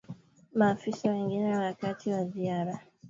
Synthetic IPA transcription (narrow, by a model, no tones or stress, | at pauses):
maːfisawɛŋɡinɛwakatʰiwaziaɾa